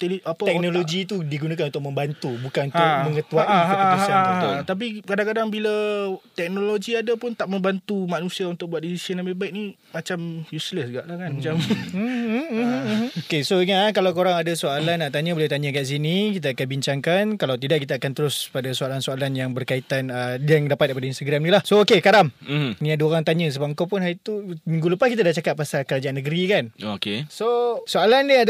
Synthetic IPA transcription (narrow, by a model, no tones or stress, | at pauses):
t̪eliʔapat̪ɛk̚noloɡit̪udiɡunãkanunt̪ʊʔ̚mə̃mbant̪ubukanunaəŋət̪uaʔaaaat̪ap̬ikadaŋkadaŋbilət̪ɛk̚noloɡiadapʊnt̪aʔmə̃mbant̪umanũsiaunt̪ʊk̚bwat̪disisiənambibaɪʔ̚nĩ | mat͡ʃamjusləsɡaʔlahkanmat͡ʃam̩ | h̩okesoiŋaakalawkoɾaŋadasoalanːaʔt̪aɲãboljawt̪aɲakaʔs̬inĩkit̪̬aakanbiɲt͡ʃaŋkankalawt̪idaʔkit̪aakant̪əɾʊspadasoalansoalanjaŋbərkait̪anəjaŋdapat̪̚kəpadainst̪aɡɾamnilahsookekaɾam̩nĩadaoɾaŋt̪aɲə̃s̬əbapəŋkawpʊnɦait̪umiŋɡuləpaskit̪adaht͡ʃakat̪̚pasalkəɾad͡ʒaʔanːəɡəɾikanokesosoalania